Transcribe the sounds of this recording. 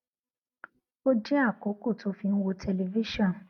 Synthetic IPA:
o˦d͡ʒɛ˦a˦˨ko˨˦ko˦˨to˨˦fĩ˧˦n̩˦wo˧tʰɛ˧le˧vi˦ʃɔ̃˦˨n

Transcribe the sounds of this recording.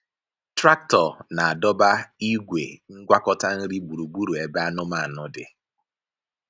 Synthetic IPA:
tɾa˦k̚tɔ˨na˨a˨dɔ˦ba˦i˦ɡʷḛ˨ŋ̩˦ɡʷa˦kɔ˦ta˦n̩˦ɾi˦bu˨ɾu˨bu˦ɾu˨e˨ba˦nʊ˦ma˦˨a˨nʊ˨dɪ̰˨

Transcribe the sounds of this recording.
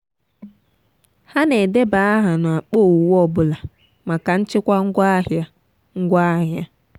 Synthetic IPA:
ha˦ne˨de˦ba˨a˦ɦa˨nʊ˨a˨k͡po˦˨wu˨wɔ˦bʊ˨la˨ | ma˨ka˨n̩˦t͡ʃɪ˦kʷa˦ŋ̩˦ɡʷa˦ɦja˦ | ŋ̩˦ɡʷa˦ɦja˦

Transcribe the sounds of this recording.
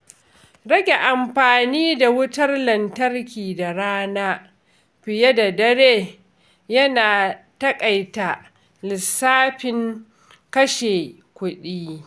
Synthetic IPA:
ɽɐ˦ɡʲe˨ʔa˨mɸaː˨niː˦da˨wʊ˦tɐ˦rlɐ˨ntɐ˦rkʲiː˨da˨ɽaː˦naː˦ | ɸɪ˨je˦da˨dɐ˦ɾeː˦ | jɐ˦naː˨ | tɐ˦kʼɐ˨jta˨ | lɪ˨sːaː˦ɸɪ˨ŋ | kɐ˦ʃe˨ | kʷʊ˦ɗiː˦

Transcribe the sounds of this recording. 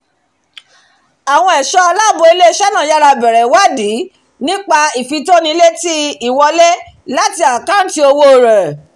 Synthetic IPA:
a˨w̃ɔ̃˧ɛ˨ʃɔ˦a˧la˦˨bo˧i˧le˦˧ʃɛ˦nã˦˨ja˦ɾa˧bɛ˨ɾɛ˨wa˦di˨˦ | nĩ˦k͡pa˧i˨fi˧to˦nĩ˧le˦ti˦i˦˨wɔ˧lɛ˦ | la˦ti˧a˨ka˦n̩˦ti˧o˧wo˧˦˨ɾɛ˨

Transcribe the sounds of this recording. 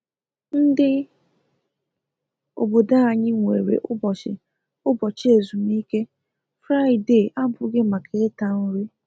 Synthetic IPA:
n̩˦dɪ˦ | o̰˨bo˨da˦a˨ɲɪ˦ŋʷḛ˨ɾḛ˨ʔʊ˦bɔ˨t͡ʃɪ̰˨ | ʊ˦bɔ˨t͡ʃe˨zu˨mi˦ke˦ | fɾa˦ɪ˨de˦˨ʔa˦bʊ˦ɡɪ˦ma˨kʰe˨e˦ta˦n̩˦ɾi˦

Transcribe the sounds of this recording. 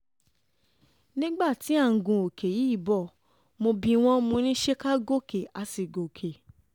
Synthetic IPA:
nĩ˦ɡ͡ba˦˨ti˨˦a˦˨ŋ̩˨ɡũ˨o˨ke˨ji˨˦i˦˨bɔ˦˨ | mo˧bĩ˧w̃ɔ̃˦mo˧nĩ˦ʃe˦ka˦ɡo˦˨ke˨a˧si˨ɡo˨kʰe˨

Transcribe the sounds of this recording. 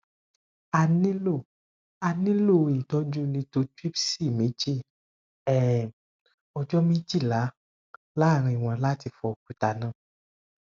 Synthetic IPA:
a˧nĩ˦lo˦˨ | a˨nĩ˦lo˦˨i˨tɔ˨˦d͡ʒũ˦nĩ˧to˧˦twi˦bsi˦˨mĩ˨˦d͡ʒi˦ | ɛ˦˨ | ɔ˧d͡ʒɔ˦mĩ˦d͡ʒi˦˨la˨˦ | la˦˨ɾ̃ĩ˧˨w̃ã˨la˦ti˧fɔ˧ku˨ta˨nã˦˨

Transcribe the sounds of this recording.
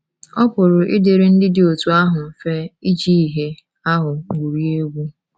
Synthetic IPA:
ɔ˦kʷʊ˨ɾʊ˨ʔɪ˦de˨ɾɪ˦n̩˦dɪ˦dɪ˨o˨tu˦a˦ɦʊ˨m̩˨fe˦i˦d͡ʒi˦i˨ɦe˦ | a˦ɦʊ˨ɡu˨ɾi˦e˦ɡʷu˦

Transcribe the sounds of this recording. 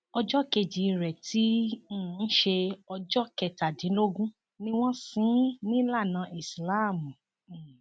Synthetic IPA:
ɔ˧d͡ʒɔ˦ke˧˨d͡ʒi˨˧ɾɛ˨tʰĩ˨˦˨n̩˦ʃe˧ɔ˧d͡ʒɔ˦kɛ˨ta˨dĩ˨˦lo˦ɡũ˦ | nĩ˧w̃ɔ̃˦sĩ˦nĩ˦la˦˨nã˨˧˦ʔi˨sla˦˨mũ˨

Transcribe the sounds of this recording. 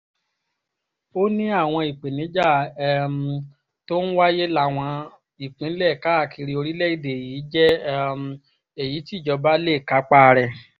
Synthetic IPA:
o˦nĩ˦a˦˨w̃ɔ̃˧i˨k͡pẽ˨nĩ˨˦d͡ʒa˦˨˦m˨ | to˦ñ̩˦wa˦je˦la˦˨w̃ɔ̃˧ | i˨k͡pĩ˨˦lɛ˦˨ka˦a˦˨ki˧ɾi˧˦o˧ɾi˦lɛ˦i˦˨de˨jiː˨˦d͡ʒɛ˦ | e˨ji˨˦ti˦˨d͡ʒɔ˧ba˦le˦˨ka˨˦k͡pa˦˧ɾɛ˨

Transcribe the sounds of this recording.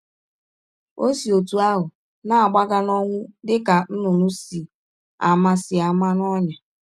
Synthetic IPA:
o˦si˨o˨tu˨a˦ɦʊ˨ | na˦a˨ɡ͡ba˦ɡa˦nɔ˦ŋʷʊ˦dɪ˦ka˨n̩˦nʊ˨nʊ˦si˨ | a˨ma˦sɪ˨a˨ma˦n˦ɔ˦ɲa˨

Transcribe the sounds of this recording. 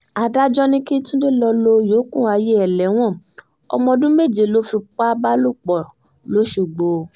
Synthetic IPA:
a˨da˦d͡ʒɔ˦nĩ˦ki˦tũ˦de˦lɔ˧lo˧joː˨˦kũ˦˨a˧je˦ɛ˨lɛ˨˦w̃ɔ̃˦˨ | ɔ̰˧mɔ̃˧dũ˦me˦˨d͡ʒe˨lo˨˦fi˧k͡pa˦ba˦lu˦˨k͡pɔ˨ɾ | lo˨˦ʃu˨ɡ͡bo˨˧

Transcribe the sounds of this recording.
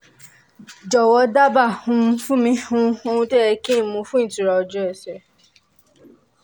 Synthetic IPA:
d͡ʒɔ˨wɔ˧˦da˦ba˦˨hũ˧˦m˧fũ˦mĩ˧hũ˦˧ũ˧tɛ˦ɛ˧ki˦n̩˨mũ˧fũ˦ĩ˦˨ti˨ɾɔ˧ɔ˧d͡ʒɔ˦ɛ˨sɛ˨

